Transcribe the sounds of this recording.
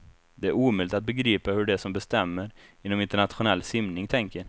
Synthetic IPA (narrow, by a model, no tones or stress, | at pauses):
d̪ɛæɾuːmœlɪt̪at̪̚bɛɡɾiːpahɵɖɛsɔmbɛst̪ɛmːəɾjɪnːɔmɪnt̪əɳat̪ɧʊnɛlːsɪmnɪŋt̪ʰɛŋkə